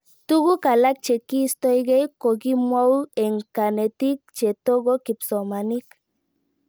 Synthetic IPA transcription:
t̪u˦ɣu˦ka˨la˦k̚t͡ʃe˨ki˦˨st̪o˦jɡe˦jko˨ɡi˦mwa˦we˨ŋka˨ne˨t̪i˦k̚t͡ʃe˨t̪o˦ɡo˦ki˨pso˨ma˨ni˦k

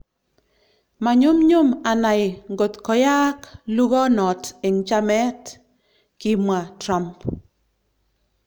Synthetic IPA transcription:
ma˨ɲo˦mɲo˦ma˨na˨jŋɡo˨t̪kɔ˨ja˦klu˦ɡɔ˦nɔ˨te˨ŋd͡ʒa˦mɛ˦t | ki˦mwa˨tɾa˨mp

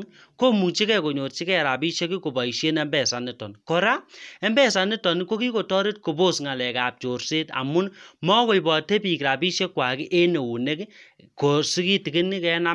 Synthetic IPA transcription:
ko˦mu˨t͡ʃi˦kɛ˦ko˨ɲo˨tt͡ʃi˦kɛ˦˨ɾa˨bi˦ʃe˦ki˦ko˨bɔ˨i˨ʃe˦nɛ˦mbɛ˦sa˨ni˦tɔ˨nko˨ɾa˦ɛ˦mbɛ˦sa˨ni˦tɔ˨ni˦ko˦ki˦ko˨tɔ˦ɾi˦t̚ko˨bo˦sŋa˨lɛ˨ka˨p̚t͡ʃo˨rse˦ta̰˨mu˦nmɔ˦ko˨i˨bɔ˨te˦pi˨kɾa˨bi˦ʃe˦kwa˨ki˦ʔe˦ne˨wu˨ne˦k | ko˨si˦ki˦ti˨ɡi˦ni˦kɛ˦na˦

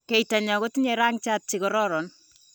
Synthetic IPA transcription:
ke˨jta˨ɲa˨ko˦tɲeɾa˦ŋt͡ʃa˦t̚t͡ʃikɔɾɔɾɔ˨n

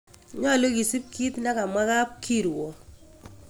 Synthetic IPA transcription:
ɲɔ˦˨lo˦ɡi˨si˦p̚kʰi˦t̪na˦ka˨mwa˦ɣa˦p̚kʰi˦˨ɾwo˨

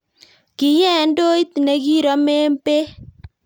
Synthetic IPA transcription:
ki˨ɲɛ˦˨˦ndo˦i˦t̪ne˨˦ɡi˦ɾɔ˨˦me˦mpe˦

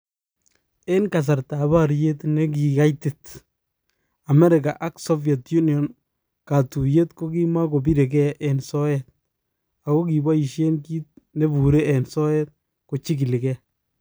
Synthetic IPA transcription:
ɛ˦nka˨s̬a˨ɾta˨ba˦ɾje˦tnɛ˦k̬i˨ka˦jtɪ˨t | a˨mɛ˦ɾɪ˨ka˨ʔa˦ksɔ˦vjɛ˨tju˦niɔ˨n | ka˨tu˨je˦tko˦ki˦ma˦ko˨bi˦ɾe˨kɛ˦ʔɛ˨nsɔ˦jɛt̚ | a˨ko˦ki˨ba˦i˨ʃe˦nki˦t̚ne˦bu˨ɾe˦ɛ˨nsɔ˦jɛ˦t̚ | ko˨t͡ʃi˦ki˨lɪ˨kɛ˦

